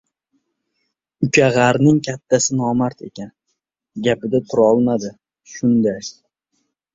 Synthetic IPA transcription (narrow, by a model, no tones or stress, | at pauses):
ʊkʰʲaʁaɾnɪŋkʲʰat̪ʰːasɪnɒmaɾt̪ʰe̞̰kʲan | ɡʲapɪd̪at̪ʰʊɾɒlˠmad̪ɪ | ʃʊnd̪a